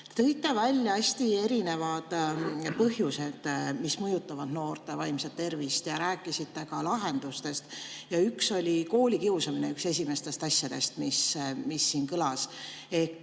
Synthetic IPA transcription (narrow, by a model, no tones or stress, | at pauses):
t̪ɤjt̪ːˑevælʲjɑɑsʲt̪ie̞ɾine̞vɑd̪̥pɤɦjuse̞d̪̥mismɤjut̪ːˑɑvɑd̪̥no̞ːrt̪ˑe̞vɑjmset̪̚t̪ːe̞rvist̪jɑɾæːkːˑisit̪ːe̞kɑlɑɦe̞nd̪̥ust̪e̞st̪jɑykso̞lʲiko̞ːlʲikiwsɑmineykse̞s̬ʲimest̪e̞st̪ɑsjɑd̪̥e̞st̪mismisːiːnkɯlɑs | e̞hk